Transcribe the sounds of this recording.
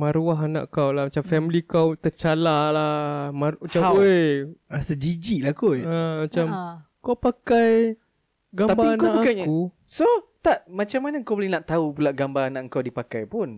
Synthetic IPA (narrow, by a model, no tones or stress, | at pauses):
maɾuaɦana̰ʔkawlahmat͡ʃamfɛmilikawt̪ət͡ʃalalamamat͡ʃamojɾasadid͡ʒiʔlakoamat͡ʃam | kawpakaj | ɡat̪abaiŋankaaʔpuakaku | sot̪aʔmat͡ʃamːanaŋkawbolɪhnaʔt̪aupulaʔɡambaɾanaʔəŋkawdipakajpun